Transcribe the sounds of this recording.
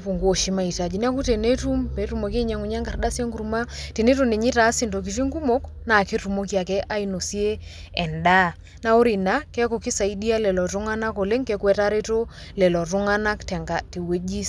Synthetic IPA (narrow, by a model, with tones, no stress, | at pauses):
pu˨ŋɡo˨ʃi˨ma˨i˨ta˨d͡ʒi˨n˦a˦ku˦te˨ne˦tu˦mpe˨˦ru˦mo˨ke˦ɲa˦ŋu˨ɲa˦ŋɡa˨rda˦si˦e˦ŋɡu˨ɾma˦te˨ne˦tu˨ne˨ɲi˦ta˨˦si˦nto˨k̬i˨t̬i˦ŋɡu˦mo˦k | na˨ke˦tu˨mo˦k̬i˦a˨kɛ˦ʔa˦i˨no˨si˦e˦ | ɛ˨nda˦˨ | na˦o˦ɾi˨na˦kɛ˦ko˨ki˦sa˨i˦di˦a˦lɛ˨lɔ˨tu˦ŋa˦na˦ko˨le˦ŋkɛ˦kwɛ˨ta˦ɾe˦to˦ | lɛ˨lɔ˨tu˦ŋa˦na˦ktɛ˨ŋɡa˨te˨we˦d͡ʒi˦s